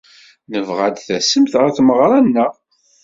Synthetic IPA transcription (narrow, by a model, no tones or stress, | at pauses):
nəvʁad̪θæsəmθaθməʁɾˤɑnːəʁ